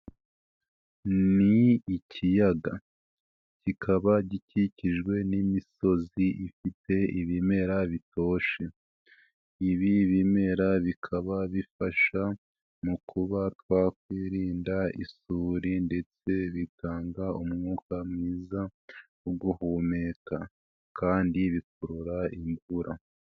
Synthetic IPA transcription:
niicʰijaɡa | cikʰaβaɟiciciʒɡwe̞nimiso̞ziʔifite̞iβime̞ɾaβito̞ːʃe̞ | iβiβime̞ɾaβikʰaβaβifaʃa | mukʰuβatwaːkwiːɾiːndaḭsuːɾinde̞t͡se̞βitaːŋɡaumŋuːkamŋiːza | uɡuhuːmeːka | kaːndiβik̚uɾuɾaiɱvuɾa

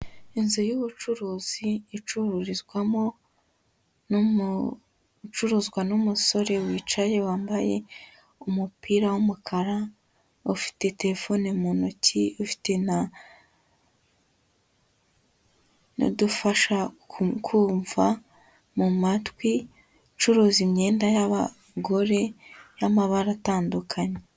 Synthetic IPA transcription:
inzojuβut͡ʃuɾuːz̥iːt͡ʃuɾuɾizɡwamo̞ | n | t͡ʃuɾuːzɡwanumuso̞ɾe̞wiːt͡ʃaje̞waːmbaje̞̰ | umupiːɾawumukʰaɾa | ufi̥te̞te̞ɾefo̞nemonociufi̥te̞na | no̰dufaʃakʰuːɱva | mumatwi | t͡ʃuɾuːzimɲe̞ːndajaβa | ɡo̞ɾe̞jamaβaɾataːndukʰaɲe

